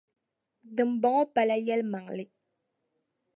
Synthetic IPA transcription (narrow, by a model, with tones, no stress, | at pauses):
dɨ˨m˨bɔ˨ŋɔ˦pa˨la˦jɛ˦lma˨ŋlɪ˦